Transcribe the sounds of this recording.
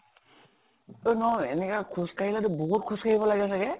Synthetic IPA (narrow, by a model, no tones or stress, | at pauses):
onɔɛnɛkakʰuskailadʊbɔɦut̚kʰuskʰaɦibɔlaɡɛsaɡɛ